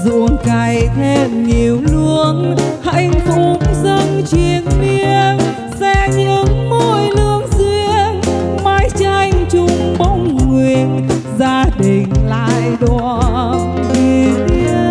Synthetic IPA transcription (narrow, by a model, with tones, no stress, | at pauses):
zṵ˧˩ənka˨˩jt̪ʰe˧mɲi˨˩əwlu˧ənha˧˩jŋ̟fʊ˨˧˦mzə˧ŋt͡ɕwi˨˩ənmi˧ə | sɛ˧ɲɨ̰˧˥ŋmo˧jlɨ˧əŋzwi˧əmaː˧jt͡ɕa˧˩jŋ̟t͡ɕʊ˧ŋ͡mɓə˧wŋ͡mŋwi˨˩ən | zaː˧ɗi˨˩ŋ̟la̰ː˧jɗwa˧ | i˧˩t̪i˧ə